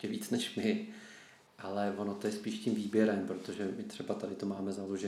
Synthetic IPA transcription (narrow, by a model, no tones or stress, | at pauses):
cɛviːt͡snɛʃmɪ | ʔalɛvo̞no̞t̪o̞jɛspiːʃcimviːbjɛɾɛmpɾo̞t̪o̞ʒɛmɪt̪r̝̥ɛbat̪adɪt̪o̞maːmɛzaloʒɛ